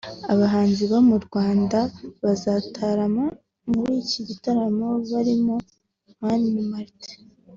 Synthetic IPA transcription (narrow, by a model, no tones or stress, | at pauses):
aβaɦaːnziβamuɾɡwaːndaβazatʰaɾama | muɾiːciɟitaɾamo̞βaɾimo | maniimaɾte̥